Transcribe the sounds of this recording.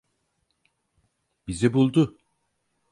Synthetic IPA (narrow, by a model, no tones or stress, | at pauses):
bizibulˠd̪ʊ